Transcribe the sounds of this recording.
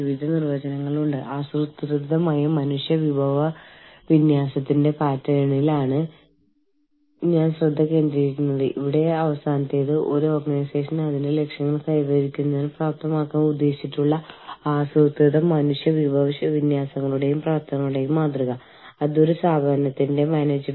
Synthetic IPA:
iʋid̪ʱɐnirʋɐd͡ʑɐnɐŋːɐɭuɳɖɨʔaːsrut̪ːrɨd̪ʱːɐmaːjɐmɐnuʂjɐʋibʱɐʋɐ | ʋinjaːsɐt̪ːinde̞paːtːɐjɳilaːɳɨ | ɲaːnsrɨd̪ʱːɐkːe̞ːnd̪ɾiikʲːunːɐðɨʔḭʋiɽe̞ɐʋɐsaːnɐt̪ːejðɨʔo̞ɾuorɡɐnajse̞ːʂɐnɐðinde̞le̞kʂjɐŋːɐɭkɐjɣɐɾikʲːunːɐðilpraːp̚t̪ʰɐmaːkːaːmud̪ːe̞ːɕiʈːuɭːɐaːsrut̪rɨd̪ɐmːɐnuʂjɐʋibʱɐʋiʂjɐʋinjaːsɐŋːɐɭuɽe̞jumpraːpt̪ʰɐŋːɐɭuɽe̞jumːaːt̪rɨɣɐ | ɐðo̞ɾusaːbʱɐɐnɐt̪ːinde̞maːneːd͡ʑɐ

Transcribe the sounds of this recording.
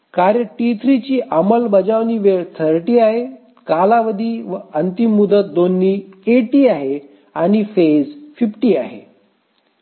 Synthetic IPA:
kaɾjəʈit̪ʰɾit͡ɕiːʔəməlbəd͡zaʋniːʋeɭt̪ʰəɾʈiːaɦe | kalaʋəd̪ʱiːʋənt̪imːud̪ət̪̚d̪onːiːeʈiːaɦe | aɽ̃ifed͡zfifʈiːa̰ɦḛ

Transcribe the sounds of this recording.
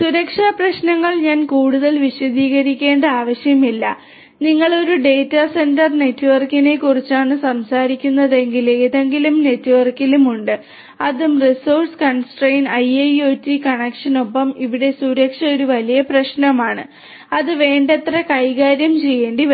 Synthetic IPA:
suɾɐkʂaprɐɕnɐŋːɐɭɲaːnkuːɽuðɐlʋiɕɐd̪iːɣɐɾikʲːe̞ːɳɖɨaːʋɐɕjɐmilːɐ | niŋːɐɭo̞ɾuɖe̞ːtːase̞ndɐrne̞tːuʋɐrkine̞kːurit͡ɕːaːɳɨsɐmsaːɾikʲːunːɐðe̞ŋɡileðe̞ŋɡilumne̞tːuʋɐrkilumuɳɖɨ | ɐðumrisoːrskɐɳsʈrejnɐjɐjoːtːikɐɳɐkʂɐno̞pːɐmiʋiɽe̞suɾɐkʂɐo̞ɾuʋɐlijɐprɐɕnɐmaːɳɨ | ɐðɨʋe̞ːɳɖɐt̪rɐkɐjɣaːɾjɐmt͡ɕe̞jːe̞ːɳɖi

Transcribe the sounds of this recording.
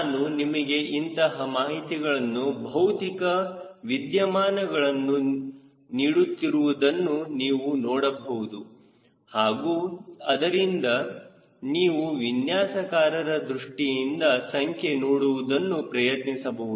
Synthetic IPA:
nunimɐɡe̞ʔint̪ɐɦɐmaːɦit̪iɡɐɭɐnːubʱɐwt̪ikɐʋid̪jɐmaːnɐɡɐɭɐnːu | niːɽut̪ːiɾuʋud̪ɐnːuniːʋunɔːɽɐbɐʋud̪u | haːɡuːɐd̪ɐɾind̪ɐ | niːʋuʋinjaːsɐkaːɾɐɾɐd̪ɾuʂʈijind̪ɐsɐŋkʰe̞noːɽuʋud̪ɐnːupɾɐjɐt̪nisɐbɐʋud̪

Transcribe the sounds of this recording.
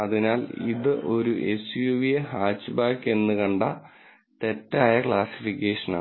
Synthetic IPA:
ɐðinaːlḭðɨʔo̞ɾuʔesjuːʋijeɦaːt͡ɕːɨbaːkːe̞nːɨkɐɳɖɐ | t̪e̞tːaːjɐkɭaːsi̥fikːeːʂɐna̰ː

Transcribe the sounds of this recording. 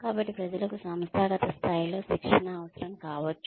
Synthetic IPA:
kaːbɐʈːipɾɐd͡ʒɐlɐkusɐmst̪ʰaːɡɐt̪ɐst̪ʰaːjilo̞ːʃikʂɐnɐːʋɐsɐɾɐmkaːʋɐt͡ʃːu̥

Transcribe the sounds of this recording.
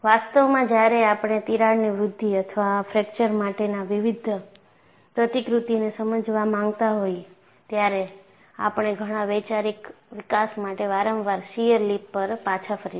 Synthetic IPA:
ʋast̪əʋmãd͡ʒjaɾeapɽ̃et̪iɾaɽniʋɾʊd̪ʱːiət̪ʰʋafɾɛk̚t͡ʃəɾmaʈenaʋiʋid̪ʱ | pɾət̪ikɾut̪inesəməd͡ʒʋamãŋɡt̪aɦoj | t̪jaɾe | a̰pəɳ̃eɡʱəɽ̃aʋejt͡ʃaɾik | ʋɪkasmaʈeʋaɾə̃mʋaɾsijəɾlipːəɾpat͡ʃʰafʰəɾi

